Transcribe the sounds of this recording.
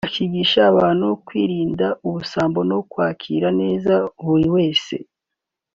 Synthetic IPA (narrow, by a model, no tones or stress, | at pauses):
akiɡiʃaːβaːnhukwiːɾiːndaʔuβusaːmbo̞nokwaːkʰḭɾane̞ːzahuɾiwe̞ːse̞̰